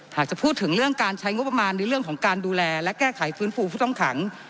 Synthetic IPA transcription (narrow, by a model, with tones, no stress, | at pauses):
haː˨˩k̚t͡ɕa˨˩pʰuː˥˩t̪ʰːɯ˩˦ŋɾɯ˥˩əŋkaː˧nt͡ɕʰa˦˥jŋo˦˥p̚ːa˧maː˧nːa˧˥jɾɯ˥˩əŋkʰɔː˩˦ŋkaː˧nduː˧lɛː˧lɛ˦˥kɛː˥˩kʰa˩˦jfɯː˦˥nfuː˧pʰuː˥˩t̪ɔ˥˩ŋkʰa˩˦ŋ